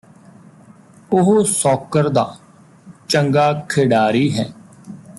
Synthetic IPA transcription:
ʊɦosɔːkəɾd̪a̰ː | t͡ʃəŋɡaːkʰeːɖaːɾiːɦɛː

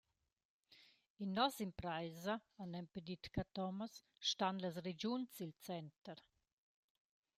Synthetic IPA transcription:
inːɔsimpɾajzaanɛmpedit̪kat̪ɔməs | ʃtanlas̬red͡ʒunsilt͡sɛnt̪əɾ

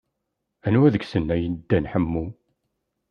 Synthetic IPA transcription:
ænuæðəɡsənːæjənd̪ːænħəmːu

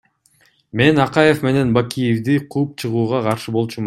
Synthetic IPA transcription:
me̞nɑqɑje̞fme̞ne̞nbakʲijevd̪iqʰuːp̚t͡ʃʰɯʁuːʁɑqʰɑɾʃɯbo̞lˠt͡ʃum

